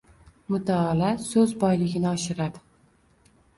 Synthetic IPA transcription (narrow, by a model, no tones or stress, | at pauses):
mʊt̪ʰaːlasɵzbɒjlɪɡʲɪnɪɒʃɪɾad̪ɪ